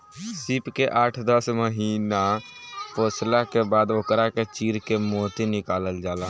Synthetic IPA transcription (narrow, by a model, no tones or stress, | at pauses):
sɪpkeʔaːʈʰd̪əsməɦiːna | poːslakebaːd̪okɾaket͡ʃiːɾkemoːt̪inɪkaːləld͡ʒaːlaː